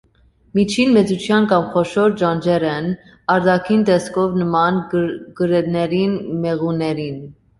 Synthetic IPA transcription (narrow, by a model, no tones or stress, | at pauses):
mit͡ʃʰinmɛt͡sut͡ʃʰjɑnkɑmχɔʃɔɾd͡ʒɑnd͡ʒɛɾɛn | ɑɾd̪ɑkʰint̪ɛskʰɔvnəmɑnɡəɾɛnɛɾinmɛʁunɛɾin